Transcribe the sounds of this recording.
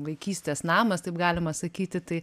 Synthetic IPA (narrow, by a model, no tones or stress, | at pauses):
ʋɐɪkʲiːsʲt̪ʲeːsnɑːmɐst̪ɐɪpɡɑːlʲɪmɐsɐkʲiːt̪ʲɪt̪ɐɪ